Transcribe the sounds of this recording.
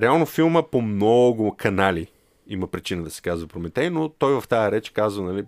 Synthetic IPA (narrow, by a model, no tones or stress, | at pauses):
ɾɛalˠnofilˠməpomnɔɡʊkʰɐnali | imɐpɾit͡ʃinəd̪ɐsi̥kazvəpɾomɛt̪ɛnot̪ɔjvɐft̪aəɾɛt͡ʃɛ̥kazvənɐli